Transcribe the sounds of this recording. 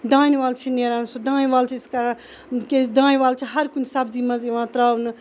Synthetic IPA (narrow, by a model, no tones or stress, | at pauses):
d̪ãːnʋaːlt͡ʃʰineɾãːnsud̪ãːñʋaːlt͡ʃʰiska | ked̪ãːnʋaːlt͡ʃʰiɦɐɾkunsabzimɐziʋãːt̪ɾaːwnɨ